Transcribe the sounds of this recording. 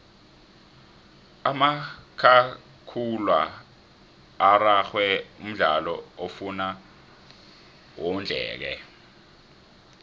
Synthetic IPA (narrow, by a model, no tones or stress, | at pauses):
amakʰa | kʰulwa | raxwɛum̩ɮalɔofuna | wond͡ɮʱɛ̰ːk̬ɛ̰